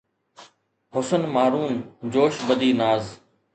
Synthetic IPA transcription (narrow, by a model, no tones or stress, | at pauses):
ɦʊsənmaːɾuːnd͡ʑoːʃbəd̪ʱiːnaːz